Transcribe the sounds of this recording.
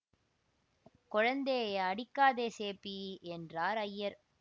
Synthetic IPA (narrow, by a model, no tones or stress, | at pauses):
kɔɻɐnd̪eːɐɽɪkːaːðeːseːpːiɛndraːɾɐjːɐɾ